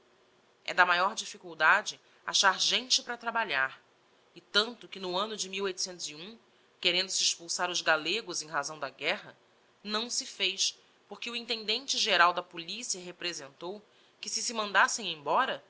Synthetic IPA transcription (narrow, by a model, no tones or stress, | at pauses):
ɛ̰d̪ɐmajɔɾd͡ʒifikuwd̪ad͡ʒɪ | a̰ʃaɾʒẽnt͡ʃɪpɾɐt̪ɾabaʎaɾ | ɪt̪ɐ̃nt̪ʊkɪnʊɐ̃nʊd͡ʒɪmiwojt̪ʊ̥sẽnt̪ʊziũ | keɾẽnd̪ʊsɪːʃpuwsaɾʊzɡaleɡʊzẽj̃ɦazɐ̃w̃d̪ɐɡɛɦɐ | nɐ̃w̃sɪfejʃ | poɾkɪuĩnt̪ẽnd̪ẽnt͡ʃɪʒeɾawd̪ɐpulisiɐɦepɾezẽnt̪ow | kɪsɪsɪmɐ̃nd̪asẽj̃ẽj̃bɔɾɐ